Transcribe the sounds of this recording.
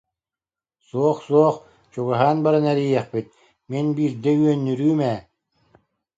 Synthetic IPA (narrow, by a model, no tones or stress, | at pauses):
suɔχsuɔχ | t͡ɕuɡaɦaːnbaɾanɛɾijɛχpit̪̚ | minbiːɾd̪ɛyœnːyɾyːmɛː